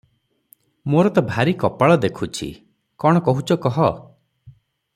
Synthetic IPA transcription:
moɾɔt̪ɔbʱaɾikɔpaɭɔd̪ekʰut͡ʃʰḭ | kɔɽ̃ɔkɔɦut͡ʃʰɔkɔɦɔ

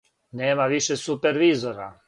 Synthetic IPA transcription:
nɛːmaʋiʃɛsupɛɾʋizoɾa̰

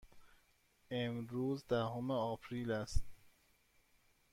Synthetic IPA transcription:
emɾuːzd̪æhomeɒːpʰɾiːlæst̪̚

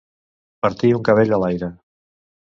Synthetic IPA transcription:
pəɾt̪iuŋkəβ̞eʎəlajɾə

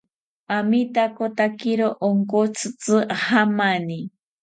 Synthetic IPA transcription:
amit̪akot̪akiɾoʔoŋkot͡sʰɨt͡sɨhamani

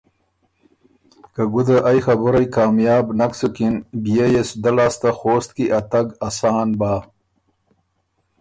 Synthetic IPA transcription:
kɐɡud̪ɐʔajxɐbuɾɐjkaːmjaːbnɐksukinbijejesud̪ɐlaːst̪axoːst̪̚kiʔɐt̪ɐɡɐsaːnbaː

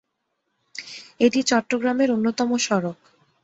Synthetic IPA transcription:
eʈit͡ɕɔʈːoɡɾameɾonːot̪ɔmoʃɔɾok

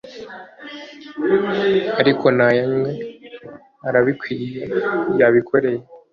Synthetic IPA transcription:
aɾikʰo̞najemŋe̞ | aɾaβikwiːjejaβikʰo̞ɾe̞je

